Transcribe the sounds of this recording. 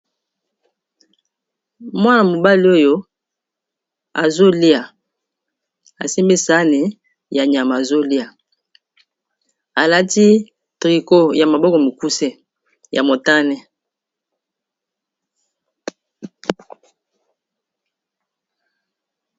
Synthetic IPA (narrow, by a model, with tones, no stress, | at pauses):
mwa˦na˨mo˨ba˦li˦o˦jo˦ | a̰˨zo˦li˦a˨ | a̰˨si˦mbe˦sa˦ni˨ | ja˨ɲ˨a˨ma˨a˨zo˦li˦a˨ | a˨la˦ti˦ | tʁi˨ko˦ja˨ma˨bɔ˦kɔ˨mi˨ku˦sɛ˦ | ja˨mo˨ta˦nɛ˦